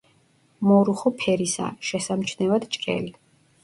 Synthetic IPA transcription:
mɔɾuχɔpʰɛɾisa̰ʃɛsamt͡ʃʰnɛvad̪t͡ʃʼkʼɛ̰li

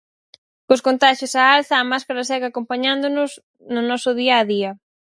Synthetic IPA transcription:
koskont̪aʃjosaalθɐːmaskaɾɐsɛɣakompaɲand̪ʊnʊs | nʊnɔsʊðiɐːðiɐ

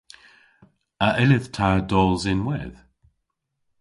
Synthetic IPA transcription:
əʔɪlɪð̥tʰadɔːlˠzɪnwɛ̰ð̥

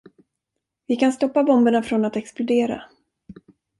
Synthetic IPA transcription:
vɪkanst̪ɔpːabɔmbəɳafɾɔnat̪ɛksplʊd̪eːɾa̰

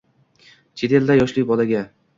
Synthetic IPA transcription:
t͡ʃʰe̞t̪ʰe̞ld̪ajɒʃlɪjbɒlaɡʲa

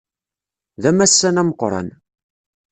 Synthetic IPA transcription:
ðæmæsːænæməqːɾˤɑ̰n

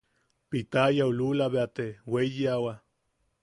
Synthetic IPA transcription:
pit̪ajaululaβeat̪eweijiawa

